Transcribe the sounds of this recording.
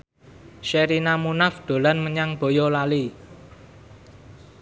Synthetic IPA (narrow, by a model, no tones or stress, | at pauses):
ʃeɾinamunafd̪̥o̤lanməɲaŋb̥ojɔlali